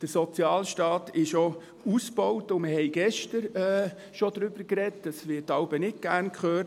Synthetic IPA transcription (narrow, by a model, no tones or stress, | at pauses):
d̥əɾsɔt͡sjɑːlʃtɑːtɪʃo | usb̥ɔwtʊmɪhɛjɡ̥ɛʃtəɾɛː | ʃod̥̪ɾʏb̥əɾkɾɛt̚dɑsʋɪːtːɑʊbənɪt̚ɡ̥æɾnkχøː